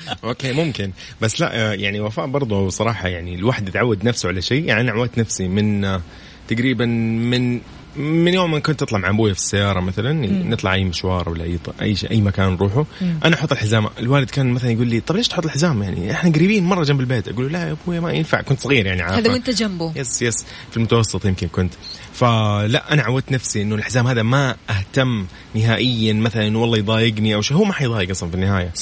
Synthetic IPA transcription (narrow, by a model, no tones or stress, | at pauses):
ʔoːkeːmʊmkɪn | basːla̰ʔjaʕniwafaːʔbɑɾˤðˤuwsˤɑɾˤɑːħɑjaʕniɪlwaħd̪jɪt̪ʕawːad̪nafsuʕalaʃeːja̰ʕniʔanaʕwaːt̪nafsimɪn | t̪aɡɾiːbanmɪn | mɪnjoːmːɪnkʊnt̪ːɨt̪ˤlɑmʕaʔbuːjafi̥sːajːɑːɾˤɑmaθalannɨt̪ˤlɑʕʔajːmɪʃwɑːɾˤwɪlːaʔa̰jːt̪ʔa̰jːʃʔa̰jːmakaːnɾˤuːħuʔanaʔħʊt̪ˤːɪlħɪzaːmʔɪlwaːlɪd̪kaːnmaθalanjɡuːlːit̪ˤɑbleːʃt̪ħʊt̪ːˤɪlħɪzaːmjaʕnḭʔɪħnaɡaɾiːbiːnmɑrˤːɑd͡ʒambɪlbeːt̪ʔaɡuːlulaʔʔabuːjamajɪnfa̰ʕkʊnt̪sˤɑɣiːɾjaʕniʕaaːaɪnt̪ːd͡ʒambujesjes | filmʊt̪awɑsːɨt̪ˤjɪmkɪnkʊnt̪ | falaʔanaʕawːad̪̚t̪nafsiʔɪnːʊlʔɪħzaːmhaːðamaʔaht̪amː | nɪɦaːʔɪjːanmaθalanʔɪnːwɑlˤːɑːjd̪ˤɑːjɪɡniʔawʃeːhuːmaħɑjd̪ˤɑːjɪɡʔɑsˤlnfinːɪhaːja